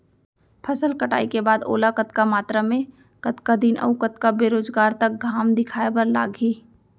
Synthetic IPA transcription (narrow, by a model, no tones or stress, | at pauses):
pʰɐsəlkəʈa̰ːikebaːd̪o̰ːlakət̪kamaːt̪ɾamẽ | kɐt̪kad̪iːnʔə̰ʊkət̪kabeːɾoːd͡ʒɡaːɾt̪ɐk̚ɡʱaːmd̪ɪkʰaːebɐɾla̰ːɡiː